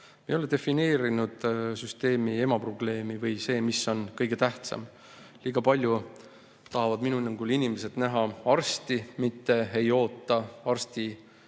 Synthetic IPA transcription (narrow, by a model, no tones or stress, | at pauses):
meoled̪e̞fine̞ːɾinud̪̥syst̪e̞ːmie̞mɑpro̞ble̞ːmivɤjse̞ːmisːo̞nkɤjɡ̥e̞t̪æht̪sɑ̰m | liːɡ̥ɑpɑlʲju | t̪ɑɦɑvɑd̪minuenːeŋɡ̥ulinimese̞d̪̥næɦɑɑrst̪imit̪ːe̞e̞jo̞ːt̪ːˑɑɑrst̪i